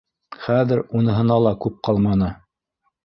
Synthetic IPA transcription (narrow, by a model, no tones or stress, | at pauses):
χæðɘɾunɤ̆ɦɤ̆nɑlˠɑkʉp̚qɑlˠmɑnɤ